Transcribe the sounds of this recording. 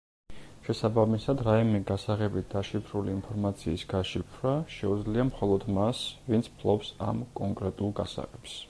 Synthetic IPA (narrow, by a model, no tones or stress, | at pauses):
ʃɛsabamisad̪ɾaimɛɡasaʁɛbit̪̚ʰd̪̥aʃipʰɾuliːnpʰɔɾmat̪sʰiːsɡaʃipʰɾaʃɛud̪zliamχɔlˠɔd̪masvint̪sʰpʰlˠɔpsa̰mkʼɔŋkʼɾɛt̪ʼulˠɡa̰sa̰ʁɛps